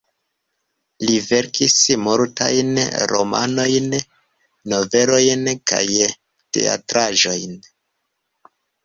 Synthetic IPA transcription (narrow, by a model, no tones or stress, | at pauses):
live̞ɾkismoɾta̰jnɾo̞̰ma̰no̞jn | nːo̞ve̞lo̞jnka̰j | te̞̰a̰tɾaʒo̞jn